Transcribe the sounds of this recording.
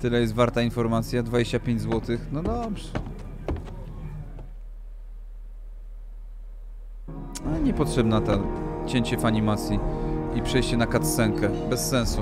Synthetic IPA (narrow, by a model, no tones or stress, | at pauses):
t̪ɘlɛjɛst̪vaɾt̪ainfɔɾmat̪sʲjad̪vad͡ʑeɕt͡ɕapʲeɲd͡ʑzwɔt̪ɘxnɔd̪ɔbʐɛ | alɛɲɛpɔtʂɛbnat̪at͡ɕɛɲt͡ɕɛvaɲimat̪sʲjiipʂɛjɕt͡ɕɛnakat̪sɛŋkɛbɛsːɛñsu